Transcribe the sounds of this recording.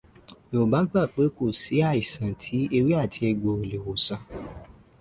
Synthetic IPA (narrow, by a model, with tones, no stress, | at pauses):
o˨ba˨˦ɡ͡ba˦˨k͡pe˨˦ko˦˨si˨˦a˦˨i˨sã˨tʰi˨˦e˧ɾi˦a˦˨tʰi˧˦ɛ˧ɡ͡bo˧e˨le˨wo˨sã˨˦